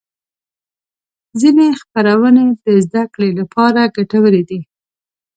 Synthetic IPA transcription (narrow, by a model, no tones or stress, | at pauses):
zinexpaɾawəned̪əzd̪akɽelapɑɾaɡaʈawəled̪i